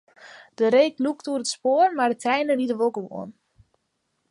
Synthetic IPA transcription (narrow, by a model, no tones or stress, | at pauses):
d̥əɾeːkluktuərətspoərmardətrɛjnəritdəʋoɡəʋo̰ən